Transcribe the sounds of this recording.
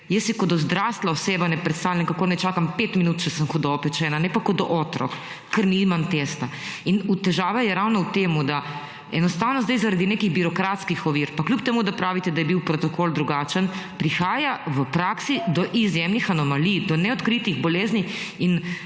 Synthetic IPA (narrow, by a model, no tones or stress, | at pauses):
jəsjikɔd̪ɔzd̪ɾast̪laɔseːbanɛpɾɛt̪st̪awlʲjɛŋkakoːnɛt͡ʃaːkampet̪minut̪t͡ʃɛsəmxɔd̪ɔpɛt͡ʃɛnanɛpakɔd̪ɔʔɔːt̪ɾɔ̰k | kəɾnimamt̪est̪ainut̪ɛʒaːʋɛjɛɾawnɔwt̪eːmud̪a | ɛnɔst̪awnɔzd̪ajzaɾad̪inekiɣbiɾɔkɾat̪skixɔʋiːɾpaklʲjupt̪ɛmud̪apɾaːʋit̪ɛd̪ajɛbiwpɾɔt̪ɔkold̪ɾuɡat͡ʃənpɾixaːjaʋəpɾaːksid̪ɔʔizjemnixanɔmalijd̪ɔnɛɔt̪kɾit̪iɣbɔleːzniin